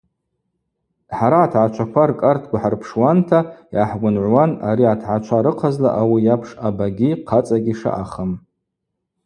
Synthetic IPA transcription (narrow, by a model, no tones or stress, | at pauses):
ħaɾaːtʰʕat͡ʃʷʰakʷʰarkʼartʰɡʷaħarpʰʂwantʰajaħɡʷʊnʕʷwanaɾiatʰʕat͡ʃʷʰaɾɨqʰazla̰ʔawijapʰʂabaɡʲiqʰat͡sʼaɡʲiʂa̰ʔaχəm